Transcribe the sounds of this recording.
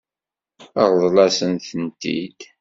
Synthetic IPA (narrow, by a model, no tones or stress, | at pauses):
əʁðˤlɑsənθənt̪ḭd̪